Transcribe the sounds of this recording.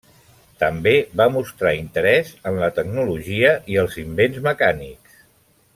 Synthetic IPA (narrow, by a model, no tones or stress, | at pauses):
t̪əmbeβamust̪ɾaint̪əɾɛzənlət̪əɡnuluʒiəʔiəlˠzimbenzməkaniks